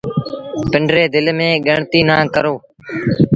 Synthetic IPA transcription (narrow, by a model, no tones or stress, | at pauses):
pɪɳɖɾeːd̪ɪlmẽːɠəɳt̪iːnãːkəɾoː